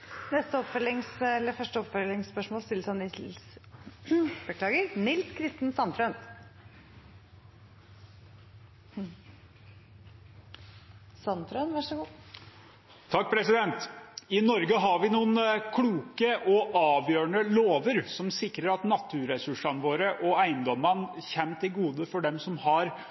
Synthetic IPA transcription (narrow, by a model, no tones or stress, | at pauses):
nɛst̪əɔpfœlɪŋsɛlːəɾfœʂʈəɔpfœlɪŋspœʂmoːlst̪ɪləsɔmnɪls | b̥əkʰlɑːɡəɾnɪlskʰɾɪst̪ənsɑnt̪ʰɾœn | sɑnt̪ʰɾœnʋæʂɔɡuː | t̪ʰɑk̚ːpʰɾɛsɪd̪ɛnt̪ɪnɔɾɡəɦɑɾʋɪnuːənkʰluːkəʔɔʔɑːʋjøːɳəloːʋəɾsɔmsɪkɾəɾɑt̪nɑt̪ʰːʉɾɛsʉʂɑnʋoːɾəʔɔæɪənd̪ɔmɑnçɛmt̪ʰɪlɡuːd̪əfɔɖɛmsɔmhɑɾ